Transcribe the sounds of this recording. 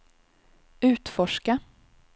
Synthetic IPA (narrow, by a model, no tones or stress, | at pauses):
ʉ̟ːt̪fɔʂka